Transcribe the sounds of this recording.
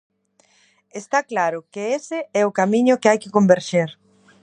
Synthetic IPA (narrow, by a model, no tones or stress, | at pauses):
est̪aklaɾʊkeesɪɛʊkamiɲʊkɪajkɪkombeɾʃeɾ